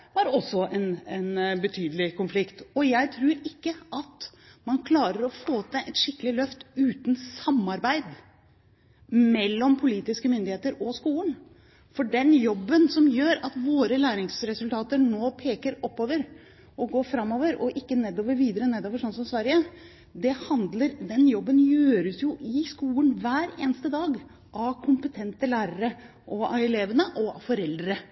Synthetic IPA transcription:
æɾɔsːɔʔɛnɛnbət̪ʰyːd̪əlɪkʰʊnflɪkt̪ɔjæɪt̪ʰɾʉːɾɪkːəʔɑt̪mɑnkʰlɑːɾəɾɔfoːt̪ːɛʔɛt̪ʂɪkːəlɪlœft̪ʉːt̪nsɑmːɑɾbæɪd̪ | mɛlːɔmpʰʊliːt̪ɪskəmʏnd̪ɪheːt̪əɾɔskuːlən | fɔɖɛnjɔbːənsɔmjøːɾɑt̪ʋoːɾəlæːɾɪŋsɾɛsʉlt̪ʰɑːt̪əɳoːpʰeːkəɾɔpːoːʋəɾ | ʔɔɡoːfɾɑmːoːʋəɾɔʔɪkːəneːd̪oːʋəɾʋiːd̪əɾəneːd̪oːʋəʂɔnsɔmsʋæɾjə | d̪ɛhɑnd̪ləɾd̪ɛnjɔbːənjøːɾəsjʊʔɪskuːlənʋæːɾḛːnəst̪əd̪ɑːɡ | ʔɑʋkʰʊmpət̪ʰɛnt̪əlæːɾəɾə | ʔɔɑɛleːʋənəʔɔɑfɔɾɛld̪ɾəɾə

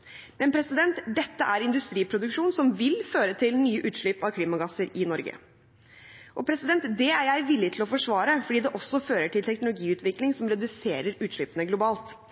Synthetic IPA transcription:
mɛnpʰɾɛsɪd̪ɛnt̪d̪ɛt̪ːəʔæɾɪnd̪ʉst̪ɾiːpʰɾʊd̪ʉkʂuːnsɔmʋɪlføːɾət̪ʰɪlnyːəʔʉːt̪ʂɭʏpɑʋkʰliːmɑɡɑsəɾɪnɔɾɡə̰ | ʔɔpʰɾɛsɪd̪ɛnt̪d̪ɛæɾjæɪʋɪlːɪt̪ʰlɔfɔʂʋɑːɾəfɔɖiːd̪ɛʔɔsːɔføːɾəʈʰɪlt̪ʰɛknʊlʊɡiːʉːt̪ʰʋɪklɪŋsɔmɾɛd̪ʉseːɾəɾʉːt̪ʂɭʏːpənəɡlʊbɑːlt̪

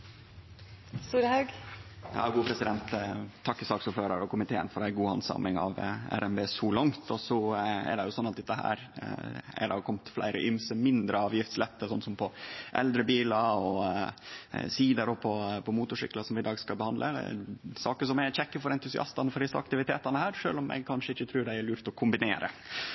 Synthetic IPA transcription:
st̪uːɾəhɑɡjɑ̰ːɡuːəpʰɾɛsɪd̪ɛnt̪t̪ʰːɑkːəsɑːksuːɾfhøːɾɑɾɔkʰʊmɪt̪ʰeːə̰nfɔɾæɪɡuːɑ̰nsɑ̰mɪŋɑ̰ʋæ̰ɾɛmbeːsɔlɑŋt̪ʰɔsɔɛ̰ɖɛjʊsɔnːɑt̪̚d̪ɛt̪ːəhæ̰ːɾ | æ̰ɖɑkʰɔmt̪flæ̰ɪɾə̰ʔʏmsəmɪnd̪ɾəɑːʋjɪft̪slɛt̪ːəsɔnsɔmpʰɔʔɛ̰ld̪ɾəbiːlɑɔ | siːd̪əɾɔpʰɔpʰɔmuːt̪ʊʂɪ̰klɑsɔmʋɪd̪ɑːɡskɑbəhɑnd̪lʔə̰sɑːkəsɔmæçɛkːəfɔɾɛnt̪ʉsɪʔɑ̰st̪ɑnəfɔɾd̪ɪsəɑ̰k̚t̪ɪʋɪt̪ʰḛːt̪ɑnəhæːɾʂø̰ːlɔmɛ̰ɪɡ̚kʰɑnʂəɪçːət̪ʰɾʉːɾɖæɪæɾɭʉːɾt̪ɔkʰʊmbɪneːɾə̰

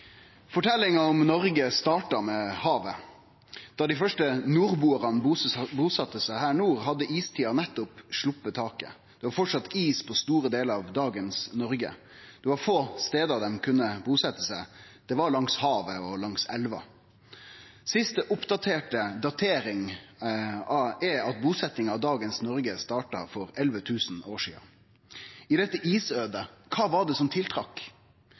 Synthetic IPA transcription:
fɔʈʰɛlːɪŋɑɔmnɔɾɡəst̪ɑːʈɑmɛhɑːʋə | d̪̥ɑd̪ɪfœʂʈənuːɾbuːəʁɑnbubuːsɑt̪ːəsæɪhæːɳuːɾɦɑd̪ːəʔiːst̪ʰiːɑnɛt̪ːʊpʂɭʊpːət̪ʰɑːkə̰ | d̪̥ɛʋɑɾfɔʈʂɑt̪ːiːspʰɔst̪uːɾəd̪eːləɑʋd̪ɑːɡənsnɔɾɡə̰ | d̪̥ɛʋɑɾfoːst̪eːd̪əɑd̪ɛmkʰʉnːəbuːsɛt̪ːəsæɪd̪̥ɛʋɑɾɭɑŋshɑːʋəɔlɑŋsɛlʋɑ̰ | sɪst̪əʔʊpd̪ɑt̪ʰeːʈəd̪ɑt̪ʰeːɾɪŋ | ɑɛɑt̪̚buːsɛt̪nɪŋɑʋd̪ɑːɡənsnɔɾɡəst̪ɑːʈɑ̰fɔɾɛlʋət̪ʰʉːsn̩oːʂḭːɑ̰ | ɪd̪ɛt̪ːəʔiːsøːd̪əkʰɑːʋɑɖɛsɔmt̪ʰɪlt̪ʰɾɑk

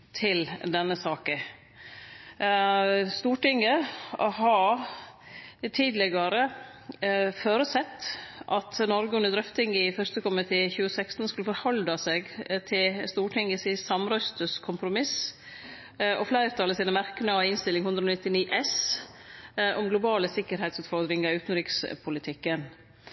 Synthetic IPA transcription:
t̪ʰɪld̪ɛnːəsɑːkə | st̪uːʈɪŋɡəɦɑɾ | t̪ʰiːd̪lɛɡɑɾə | foːɾʉsɛt̪ːʔɑt̪nɔɾɡəʉnəd̪ɾœft̪ʰɪŋɪfœɾst̪əkʊmɪt̪ʰeːçʉːəsækst̪n̩skʉlːəfɔɾhɔld̪ɑseːɡt̪ʰɪlst̪uːʈʰɪŋɡəsɪsɑmɾœst̪əskʰʊmpɾʊmɪs | ʔɔflæɪɾt̪ʰɑləsiːnəmæɾkənəɑɪnst̪ɪlɪŋhʉnd̪ɾɔnɪt̪ːɪniːʔɛs | ʔɔmɡlʊbɑːləsɪkːəɾhæɪt̪sʉːt̪fɔɾd̪ɾɪŋɑʉːt̪n̩ɾiːkspʰʊlɪt̪ʰɪkːən

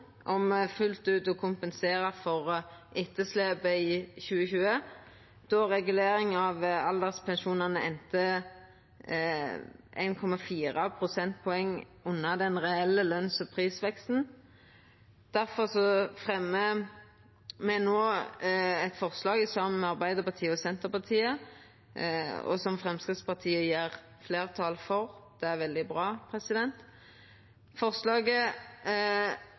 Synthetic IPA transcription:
ʔɔmfʉlt̪ʉːt̪ɔkʰʊmpənseːɾɑfɔʁʔɪt̪ːəsleːbəɪçʉːəçʉːə | d̪̥ɔʁɛɡʉleːɾɪŋɑʋɑld̪ɛʁspʰɛnʃuːnɑnəɛnt̪ə | ʔḛɪnkʰɔmɑfiːʁɑpʰɾʊsɛnt̪̚pʰɔɛŋːʉnːɑd̪ɛnʁɛɛlːəlœnsɔpʰʁiːsʋɛkst̪n̩ | d̪̥æɾfɔʁsɔfʁɛmːə | mɛnoː | ɛt̪fɔʁslɑːɡɪsɑməmɛɑʁbæɪd̪əpɑt̪ʰiːəɔsɛnt̪əpɑt̪ʰiːə | ɔ̰sɔmfʁɛmskʁɪt̪spɑʁt̪ʰiːəjeːʁ | fleːʁt̪ʰɑlfɔʁd̪̥ɛæʁʋɛld̪ɪbʁɑːpʰʁɛsɪd̪ɛnt̪ | fɔʁslɑːɡə

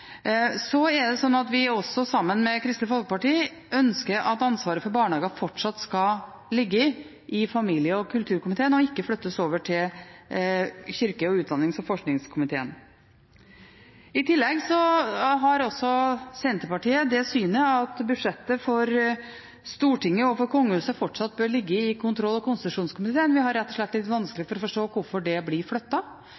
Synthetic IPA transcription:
sɔɛɖɛsɔnːɑt̪ʋɪɔsɔsɑmːənmɛkʰɾɪst̪əfɔlkəpɑʈiː | ʔœnskəɾɑt̪ɑnsʋɑːɾəfɔɾbɑːɳɑːɡəfɔʈʂɑt̪skɑ | lɪɡːə | ʔɪfɑmiːljəɔkʰʉlt̪ʰʉːɾkʊmɪt̪ʰeːənɔɪkːəflœt̪ːəsoːʋəʈʰɪl | çʏɾkəɔʉːt̪̚d̪ɑnːɪŋsɔmfɔʂknɪŋskʰʊmɪt̪ʰḛːən | ɪt̪ʰɪlːɛɡsɔɦɑɾɔsɔsɛnt̪əpɑʈiːəd̪ɛsyːnəɑt̪bʉd̪ʂɛt̪ːəfɔɾ | st̪uːʈɪŋːəɔfɔɾkʰɔŋːəhʉːsəfɔʈʂɑt̪̚ːbøːɾɭɪɡːəɪkʰʊnt̪ʰɾɔlːɔkʰʊnst̪t̪ʉʂuːnskʰʊmɪt̪ʰeːənʋɪɦɑɾɛt̪ːɔʂɭɛt̪ːlɪt̪ːʋɑnsklɪəfɔɾɔfɔʂʈoːkʊɾfɔɖɛblɪɾflœt̪ːɑ

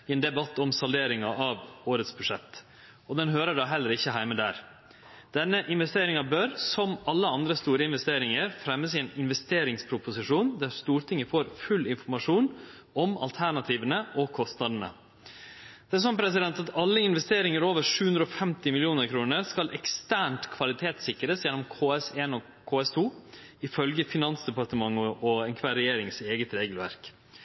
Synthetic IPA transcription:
ɪɛːnd̪ɛbɑt̪ːɔmsɑld̪eːɾɪŋɑʔɑʋoːɾət̪sbʉʂɛt̪ː | ɔd̪ɛnɦøːɾəɖɑːɦɛlːəɾɪçːəɦæɪməd̪æ̰ːɾ | d̪̥ɛnːəʔɪnʋɛst̪eːɾɪŋɑbœɾsɔmɑlːəɑnd̪ɾəst̪uːɾəɪnʋɛst̪eːɾɪŋəɾfɾɛmːəsɪɛːnɪnʋɛst̪eːɾɪŋspʰɾʊpʊsɪʂuːnd̪æɾst̪uːɾt̪ʰɪŋəfoːɾfʉlːɪnfɔɾmɑʂuːn | ɔmɑ̰lt̪ʰæɳɑt̪ʰiːʋənəʔɔkʰɔst̪nɑd̪ən̩ə̰ | d̪̥ɛæɾsɔnpʰɾɛsɪd̪ɛnt̪ɑt̪ʰɑlːəɪnʋɛst̪eːɾɪŋəɾoːʋəɾʂʉːʉnd̪ɾɔɔfɛmt̪ɪmɪlɪuːnəɾkʰɾuːnəɾskɑlʔɛkst̪æːɳʈkʰʋɑlɪt̪ʰeːt̪sɪkɾəsjɛnːɔmkʰoːɛseːnɔ | kʰoːɛst̪ʰuː | ɪfœlɡəfɪnɑnsd̪ɛpɑʈ̪əmɑŋːəʔɔɛnkʰʋæːɾɛjeːɾɪŋseːɡət̪ɾeːɡlʋæ̰ɾk

